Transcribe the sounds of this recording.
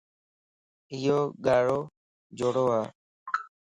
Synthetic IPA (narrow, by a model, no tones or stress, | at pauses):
ɪjoːɠaːɽoː | d͡ʒoːɽoːɦaː